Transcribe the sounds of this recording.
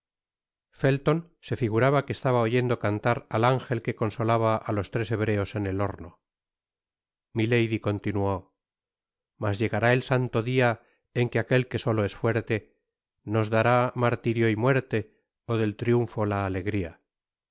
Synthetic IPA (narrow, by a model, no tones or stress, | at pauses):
fe̞lt̪o̞n | se̞fiɣuɾaβakest̪aβaoʝe̞nd̪o̞kant̪aɾalaŋxe̞lke̞ko̞nso̞laβaʔalo̞st̪ɾe̞se̞β̞ɾe̞o̞se̞ne̞lo̞ɾno | milejðiko̞nt̪inuo | mazʝe̞ɣaɾae̞lsant̪o̞ðia | eŋke̞ake̞lke̞so̞lo̞e̞sfwe̞ɾt̪e̞ | no̞zðaɾamaɾt̪iɾjo̞imwe̞ɾt̪e̞ | oðe̞lt̪ɾjuɱfo̞laːle̞ɣɾia̰